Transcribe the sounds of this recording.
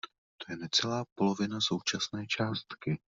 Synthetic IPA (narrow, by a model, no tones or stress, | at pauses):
t̪o̞jɛnɛt͡sɛlaːpo̞lo̞vɪnaso̞wt͡ʃasnɛːt͡ʃaːst̪kɪ